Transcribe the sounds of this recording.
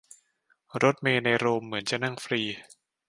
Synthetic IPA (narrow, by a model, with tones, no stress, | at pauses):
ɾo˦˥t̪̚meː˧na˧jɾoː˧mːɯ˩˦ənt͡ɕa˨˩na˥˩ŋfɾiː˧